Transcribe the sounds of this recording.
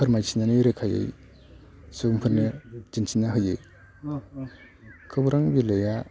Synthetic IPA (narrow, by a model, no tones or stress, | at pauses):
pʰɯɾmajsʰinaniɾekʰajɯ̰j | sumpʰɯɾned͡ʒinsʰinːaɦɯjɯ | kʰɯbuɾaŋbilɯja